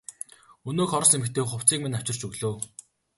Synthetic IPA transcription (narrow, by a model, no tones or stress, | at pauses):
ɵnoːkχɔɾɞ̆semɘ̆kt̪ʰeːχʊw̥t͡siːk̚minaw̥t͡ɕɪ̆r̥t͡ɕɵɣɮuː